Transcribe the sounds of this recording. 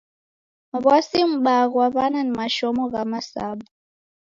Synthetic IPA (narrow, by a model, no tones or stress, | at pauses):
βwasim̩ɓaɣaβananimaʃɔmɔɣamasa̰ba